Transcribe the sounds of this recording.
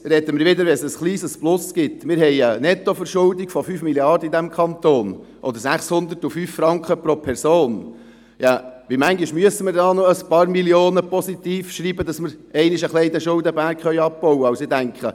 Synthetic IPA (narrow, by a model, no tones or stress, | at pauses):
ɾɛd̪əmɪɾʋɪd̪əɾʋɛnsəsχliːsəsplʊsɡ̥ɪt̪mɪːɾɦɛɪənɛt̪ːɔfəɾʃʊld̪iɡ̥fɔfyːfmiljɑɾdəid̪æmkʰɑnt̪oːn | ʔɔd̪əɾsæχshʊnd̪ətufyːffɾɑŋkχəpɾopʰɛɾsoːn | jɑʋimæŋɡiʃmyəsəmɪɾdɑːnoəspɑːɾmiljoːnəpɔsit̪iːfʃɾiːbəd̪ɑsməɾɛɪnɪʃəχlɛɪd̪ɛʃʊld̪əbæɾkχœʏjɑb̚pɔwəɑʊsɪd̪æŋkχə